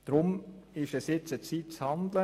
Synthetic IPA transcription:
d̪̥ɾʊmɪʃɛsjɪt͡sət͡siːt̚t͡shɑnd̪lə

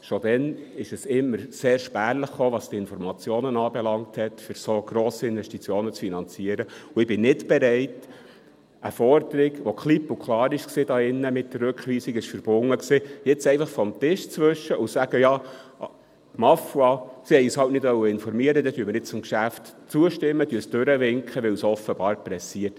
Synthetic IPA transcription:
ʃod̥̪ɛnɪʃɛsɪmːəɾseːɾʃpæːrləχːoːʋɑstiɪnfɔɾmɑt͡sjoːnənɑːbɛlɑŋthɛtfʏɾsoɡ̥ɾoːsiɪnvɛʃtit͡sjoːnət͡sfinɑnt͡siəɾəuɪb̥ɪnnɪtb̥ɛɾɛɪt | əfɔɾd̥əɾɪɡʋokχlipːukʰlɑːɾɪʃksiːd̥ɑːɪnːəmɪt̚dərːʉkχʋiːsikɪʃfəɾb̥ʊŋːəksijɛt͡sɛɪfɑχfɔmt̪ɪʃt͡sʋøʃːəʔusæɡ̥əjɑː | mɑfuɑsihɛjyshɑltnɪdʋœwːəɪnfɔɾmiəɾəd̥̪ɛtyːəməɾnɪtt͡sʊmkʃæftt͡suəʃtɪmːətyəsd̥øɾəʋɪŋkχəʋɪwsɔfəb̥ɑːɾpɾɛsiərt

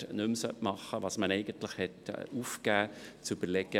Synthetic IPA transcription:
nɵmsœtmɑχəʋɑːsmənɛɪɡ̥əntlɪχhɛtuːfkæːt͡syb̥əɾlɛɡə

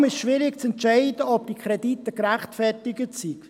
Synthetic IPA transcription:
mɪsʃʋɪɾɪkt͡sɛntʃɛɪdəɔpd̥ikʰχɾɛditːəkɾæχtfɛrtɪɡətsik

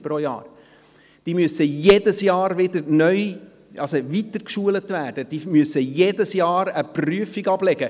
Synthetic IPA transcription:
pɾojɑ̰ːɾ | d̥iːmyəsəjedəsjɑːɾʋɪdəɾnœʏ | ʔɑsovitəɾkʃuːələtvæːd̥əd̥iːmyəsəjedəsjɑːɾəpryəfiɡɑblɛɡə

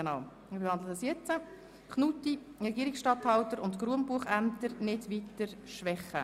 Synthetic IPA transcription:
enɑw | mɪɾbehɑnd̪lədɑsjɛt͡sə | kχnuti | rɛɡiəɾiksʃtɑthɑwtəɾʊntɡ̥ɾuəmbuəχæntəɾnɪdʋitəɾʃʋɛχə̰

